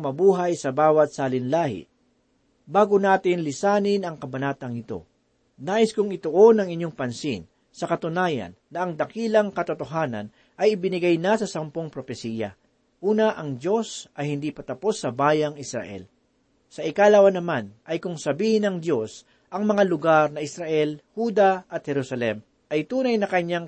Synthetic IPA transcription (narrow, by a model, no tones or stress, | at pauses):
mɐbuːɦɐjsɐbaːwɐt̪̚saːlɪnlaːhɪ̰ | baːɡonaːt̪ɪnlɪsaːnɪnɐŋkɐbɐnaːt̪ɐŋɪt̪o̞̰ | naːʔɪskʊŋɪt̪ʊʔo̞nɐŋɪɲjoŋpɐnsɪn | sɐkɐt̪ʊnaːjɐ̰nːɐʔɐŋd̪ɐkiːlɐŋkɐt̪ot̪oɦaːnɐ̰n | ʔɐjɪbɪnɪɡajnasɐsɐmpoŋpɾofɛsiːjɐ̰ | ʔuːnɐʔɐŋd̪jo̞sʔɐjhɪnd̪ipɐt̪ɐpo̞sːɐbaːjɐŋɪsɾɐ̰ʔɛ̰l | sɐʔɪkalawɐnɐmanʔɐjkʊŋsɐbiːhɪnɐŋd̪jo̞s | ʔɐŋmɐŋalʊɡaɾnɐʔɪsɾɐʔɛlhuːd̪ɐʔɐt̪̚hɛɾusɐlɛm | ʔɐjt̪uːnɐjnɐkɐɲːaŋ